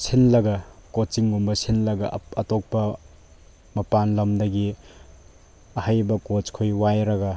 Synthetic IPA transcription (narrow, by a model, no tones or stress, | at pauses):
sʰinlɐɡɐkot͡ʃiŋɡumbɐsʰinlɐɡɐ̰ːtok̚pɐ | mɐpanlɐmdɐɡi | ɐhajbɐkot͡ʃkʰojwajɾɐɡɐ